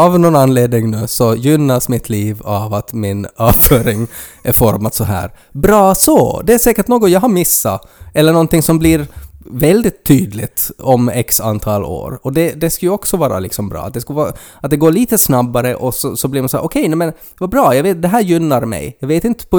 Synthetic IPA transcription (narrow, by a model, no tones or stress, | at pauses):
ɑvnɔnanːleːd̪nɪŋnʉ̟ːsɔjʏnːasmɪt̪ʰliːvavat̪mɪnɑːvfœːɾɪŋʔɛfɔɾmat̪sɔɦæ̰ːɾbɾɑːsɔd̪ɛæʂɛːkəʈnoːɡɔŋjɑɦaɾmɪsːa̰ | ʔɛlːəɳɔnt̪ɪŋsɔmblɪɾvɛld̪ɪt̪ʰːyːd̪lɪt̪ɔmɛksa̰nt̪ʰɑːlo̰ːɾɔd̪ɛd̪ɛskajʉɔksɔvɑːɾa̰lɪksɔmbɾɑ̰ːt̪̚d̪ɛskavɑːɾaat̪̚d̪ɛɡoːɭiːt̪əsnabːaɾəʔɔsɔsɔbliɾmansɔæ̰ːʔɔkʰɛjnɛmɛn | vabɾɑːjɑːɡveːt̪̚d̪ɛɦæːɾjʏnːaɾmɛ̰jjɑɡveːt̪ɪnt̪ə̥pɔ